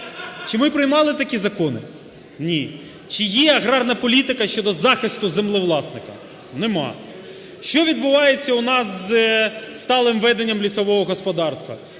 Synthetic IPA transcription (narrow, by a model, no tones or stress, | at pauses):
t͡ʃɪmɪpɾɪjmɑlˠɪt̪ɐkʲizɐkɔnɪ̰ | nʲi | t͡ʃɪjɛɐɦɾɑrnɐpɔlʲit̪ɪkɐʃt͡ʃɔd̪ɔzɑxɪst̪ʊzemlˠɪʋlˠɑsnɪkɐ̰ | nemɑ̰ | ʃt͡ʃɔʋʲid̪̚bʊʋɑjet͡sʲːɐʊnɑsːst̪ɑlˠɪmʋɛd̪enʲːɐmlʲisɔʋɔɦɔɦɔspɔd̪ɑrst̪ʋɐ̰